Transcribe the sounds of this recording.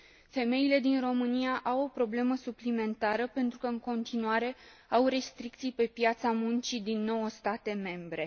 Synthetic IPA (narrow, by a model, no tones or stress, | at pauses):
fe̞me̞ile̞d̪inro̞mɨniaʔawo̞pɾo̞ble̞məsuplime̞nt̪aɾəpe̞nt̪ɾukəɨŋko̞nt̪inuaɾe̞ | awre̞st̪ɾik̚t̪sijpe̞pjat̪samunt͡ʃid̪inːo̞wəst̪at̪e̞me̞mbɾe̞